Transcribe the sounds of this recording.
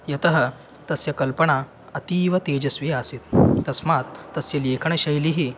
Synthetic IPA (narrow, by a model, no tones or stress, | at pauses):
jɐt̪əɦə | t̪ɐsjakəlpəɽ̃a | ɐt̪iːʋɐt̪ed͡ʑɐsʋiasit̪ːəsmat̪ːəsjelekʰəɳəɕɐjliɦi